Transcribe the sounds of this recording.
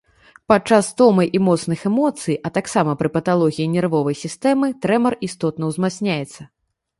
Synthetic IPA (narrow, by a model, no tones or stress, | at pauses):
pat͡ʂast̪ɔmɐjʔimɔt̪snɨxɛmɔt̪sɨjʔɐt̪aksamɐpɾɨpɐt̪alˠɔɣʲijinʲɛrvɔvɐjsʲist̪ɛmɨt̪ɾɛmɐrist̪ɔt̪̚nɐwzmasʲnʲajɛt̪sːɐ